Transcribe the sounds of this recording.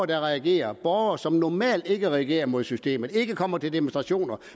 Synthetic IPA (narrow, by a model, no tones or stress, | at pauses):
d̥ɑ̈ʁɛæɡ̥e̝̰ːɐb̥ɒːʊɐsɒ̽mnɒmɛ̰ːld̥e̝ɡ̥əʁɛæɡ̥e̝̰ːɐmo̝ð̞̰ˠsysd̥e̝̰ːmð̩ˠe̝ɡ̥əkʰɒ̽m̰ɐt͡sʰe̝ld̥e̝monsd̥ʁɑ̈ɕo̝̰ːnɐ